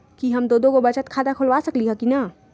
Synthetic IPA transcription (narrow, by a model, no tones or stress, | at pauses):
kiɦəmd̪od̪oɡobət͡ʃət̪kʰad̪akʰolbasəkliɦəkina